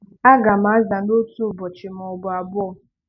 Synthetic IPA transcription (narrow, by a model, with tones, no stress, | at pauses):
a˦ɡa˨m̩˨a˨˦za˨n̩˦o˦tu˦˨bɔ˨t͡ʃɪ˨m˨ɔ˨bʊ˨a˨bʊ˦ɔ˦˨